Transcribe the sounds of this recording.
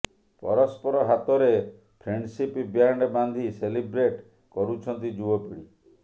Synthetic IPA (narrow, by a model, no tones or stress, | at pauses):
pɔ̰ɾɔspɔɾɔɦat̪ɔɾe | pʰɾeɳɖsipibjaɳɖband̪ʱiselibɾeʈ | kɔɾut͡ʃʰɔnt̪id͡ʒuɔpiɽi